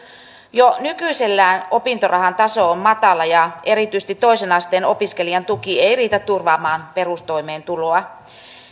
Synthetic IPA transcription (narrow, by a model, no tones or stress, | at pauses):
jonykyise̞lːæːno̞pint̪orɑɦɑnt̪ɑso̞omːɑt̪ɑlɑjɑe̞ɾit̪yst̪it̪ːoisenɑst̪e̞ːno̞piske̞liɑnt̪ukiejriːt̪æt̪ːurʋɑːmɑːnpe̞rust̪o̞ime̞ːnt̪uloɑ